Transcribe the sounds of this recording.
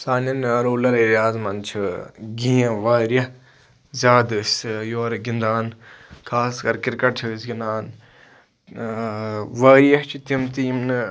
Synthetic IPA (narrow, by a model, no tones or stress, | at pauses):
saːnjɐnɐɾoːlɐɾɐɾjaːzmɐnt͡ʃʰiɡĩːɐ̃ʋaːɾjɐ | zʲaːd̪ɨsjoːɾɡind̪aːnkʰaːskɐɾkiɾkɐʈʰɨsɡinaːn | ʋaːɾjɐt͡ʃʰit̪imt̪iːmnɨ